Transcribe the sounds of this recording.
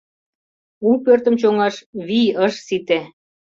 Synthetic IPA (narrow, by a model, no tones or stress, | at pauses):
upørt̪ə̆mt͡ɕoŋɑʃβiəʃsit̪e